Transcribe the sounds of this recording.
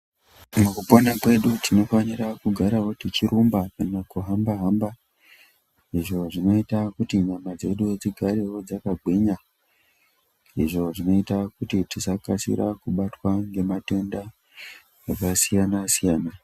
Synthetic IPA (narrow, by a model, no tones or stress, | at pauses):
mukuponakwe̞ɗutino̞fanirakuɡʱaɾawo̞tit͡ʃiɾumbakanakuɦambaɦaːmba | iʐo̞ʐino̞itakutiɲamad͡ze̞ɗujed͡ziɡʱaɾe̞wo̞d͡zakaɡʱwiɲa | iʐo̞ʐino̞itakutitisakasḭɾa̰kuɓatwaŋɡe̞mato̞nda | akasijanasijaːna